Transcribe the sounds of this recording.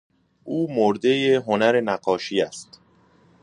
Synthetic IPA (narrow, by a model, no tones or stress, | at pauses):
ʔuːmoɾd̪e̞jeɦonæɾe̞næɢɒːʃiːæst̪